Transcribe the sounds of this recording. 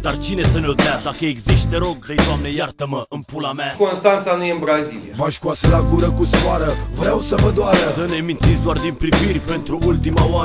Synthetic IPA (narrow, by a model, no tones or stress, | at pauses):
d̪̥art͡ʃine̞sənelt̪ad̪akəeɡziʃt̪eɾo̞ɡəjd̪oamnejart̪əməʔɨnpulamakonst̪ant̪sanujenbɾaziliavaʃkuasəlaɡuɾəkusaɾəvɾeawsəvəd̪oaɾəsənemint̪sitsʲd̪oard̪inpɾivirʲpe̞nt̪ɾuult̪imaoa